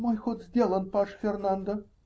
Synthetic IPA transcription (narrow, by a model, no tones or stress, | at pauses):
mɑjxot̪zʲd̪ʲelˠənpɑʂfʲernɑnd̪ə